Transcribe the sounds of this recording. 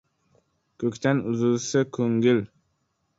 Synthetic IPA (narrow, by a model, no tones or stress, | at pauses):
kʰɵkʲt̪ʰanʊzɪlsɪkʰɵŋɡʲɪl